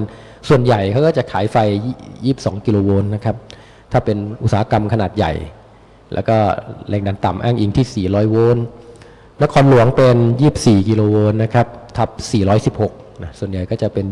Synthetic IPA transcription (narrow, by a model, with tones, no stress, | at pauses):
n | su˨˩ənja˨˩jkʰa˦˥wkɔː˥˩t͡ɕa˨˩kʰaː˩˦jfa˧jjiː˥˩p̚sɔː˩˦ŋki˧loː˧woː˧nːa˦˥kʰa˦˥p̚ | t̪ʰaː˥˩pe˧nʔu˨˩t̪̚saː˨˦a˦˥ka˧mkʰa˧naː˨˩t̪̚ja̰˨˩j | lɛ̰ː˦˥wkɔː˥˩lɛː˧ŋdaː˧nt̪a˨˩mʔaː˥˩ŋʔiː˧ŋt̪ʰiː˥˩siː˨˩ɾɔː˦˥jwoː˧˥nː | a˦˥kʰɔː˧nlu˨˦əŋpe˧njiː˥˩p̚siː˨˩ki˧loː˧woː˧nːa˦˥kʰɾa˦˥p̚t̪ʰa˦˥p̚siː˨˩ɾɔː˦˥jsi˨˩p̚ho˨˩k̚na˦˥su˨˩ənja˨˩jkɔː˥˩t͡ɕa˨˩pe˧n